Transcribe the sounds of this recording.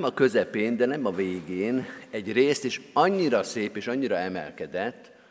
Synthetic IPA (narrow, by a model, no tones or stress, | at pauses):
mɒkø̞zɛpeːnd̪ɛnɛmɒveːɡeːnɛɟreːst̪eːʃɒɲːiɾɒseːpeːʃɒɲːiɾɒɛmɛ̰lkɛd̪ɛt̪ː